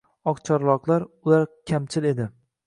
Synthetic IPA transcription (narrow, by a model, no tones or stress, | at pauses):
ɒqt͡ʃʰɒɾlˠɒqlˠaɾʊlaɾkʲʰamt͡ʃʰɪle̞d̪ɪ